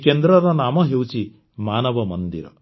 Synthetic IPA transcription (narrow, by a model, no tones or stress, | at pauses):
kend̪ɾʌɾɔnamʌɦewt͡ʃʰi | manʌbʌmʌnd̪ḭɾʌ̰